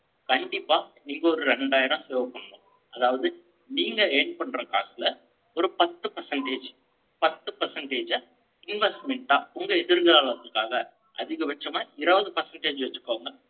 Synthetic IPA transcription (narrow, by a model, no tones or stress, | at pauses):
kɐɳɖɪpːaːniːŋɡɐɔɾɯɾɛɳɖaːjɪɾɐ̃seːʋɐpːɐɳːɯŋɐ | ɐðaːʋɐðɯ | niːŋɡɐeːɳɖ̚pɐɳːɾɐka̰ːsɪlɐ | ɔɾɯpɐt̪ːɯpɐɾsɐɳʈeːd͡ʒ | pɐt̪ːɯpɐɾsɐɳʈeːd͡ʒɐ | ɪnʋɛsʈmɛɳʈaːʊŋɡɐɛðɪɾɣɐɾaːlɐt̪ːɯkːaːɣɐ | ʔɐðɪɣɐʋɐt͡ʃːɐmaːɪɾɐʋɐðɯpɐɾsɐɳʈeːd͡ʒʋɐt͡ʃːɯ̥kːoːʋɯŋɡɐ